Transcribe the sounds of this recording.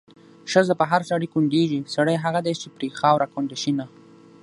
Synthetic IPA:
ʃəzəpəɦaɾsaɽikuɳɖeʒisaɽəjɦaɣad̪et͡ʃepɾeɡxɑwɾʔakuɳɖaʃina

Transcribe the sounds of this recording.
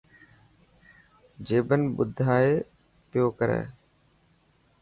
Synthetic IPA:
d͡ʒeːbənbʊd̪ʱːaːeː | pɪjoːkəɾḛː

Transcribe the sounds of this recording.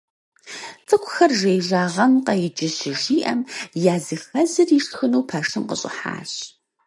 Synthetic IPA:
t͡sʼɨkʷʰʼʊxɐrʒejʒaːʁɐmqɐjɪt͡ʃʼɪɕɪʒiːʔɐmjaːzɨxɐzɨriːʂxɨnowpʰɐʂɨmqə̰ɕʼɪ̰ħa̰ːɕ

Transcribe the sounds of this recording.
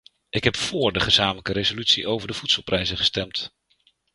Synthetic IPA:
ʔɪkɦɛpfʊːɹdəχəzaːmələkəɾezolytsiʔowvəɹdəv̥utsəlˠprʔɛjzəχə̥stɛmt

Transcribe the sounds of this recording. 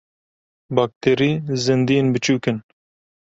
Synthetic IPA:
bɑːk̚t̪ʰeːɾiːzɨnd̪ijenbɨt͡ʃuːkɨn

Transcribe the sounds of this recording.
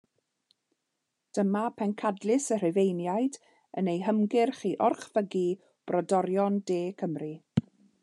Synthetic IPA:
d̥əmapʰɛnkʰadlˠɪsər̥ɪvejnjajd | ənejɦəmɡɪrχiːʔɔrχvəɡi | b̥rɔdɔɾjɔndeːkʰəmri

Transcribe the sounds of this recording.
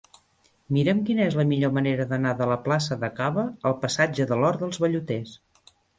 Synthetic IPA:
miɾəmkinəɛzləmiʎoməneɾəðənaðələplasəðəkaβəːlˠpəsad͡ʒəðəlɔɾðəlˠzβəʎut̪es

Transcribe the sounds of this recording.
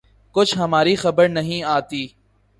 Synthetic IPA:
kʊt͡ʃʰɦɐmaːɾixɐbəɾnɐɦĩaːt̪iː

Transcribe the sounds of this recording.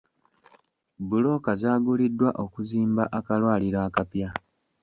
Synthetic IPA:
bulo̞ːkazaːɡulidːwaʔo̞kuziːmbaʔakalwaːliɾaːkapja

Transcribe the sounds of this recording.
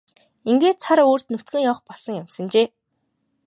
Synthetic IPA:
iŋɡeːt̪t͡sʰaɾoːr̥t̪nut̪ɡɘ̆ŋjɔːχpɔsə̆ŋjamsə̆nt͡ɕeː

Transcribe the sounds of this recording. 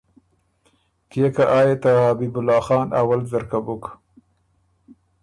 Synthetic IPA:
kekaʔɑjet̪ahabibʊlɑːxɑːnʔa̰walzaɾkabʊk

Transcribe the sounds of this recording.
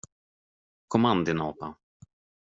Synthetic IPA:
kʰɔmand̪ɪnɔːpa

